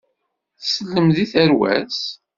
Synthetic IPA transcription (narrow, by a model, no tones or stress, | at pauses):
θsəlːəmðiθəɾwæ̰s